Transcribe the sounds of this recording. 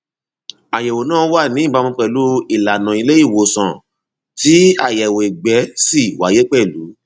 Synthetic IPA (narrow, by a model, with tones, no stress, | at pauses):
a˨jɛ˨wo˨nãː˦˧˦wa˦˨nĩ˨˦˨ba˨˧mũ˧k͡pɛ˨lu˨˦i˦˨la˨nã˨i˧le˦i˦˨wo˨sã˨ | ti˨˦a˦˨jɛ˨we˨e˨ɡ͡bɛ˨˦si˦˨wa˨je˦k͡pɛ˦˨lu˨˦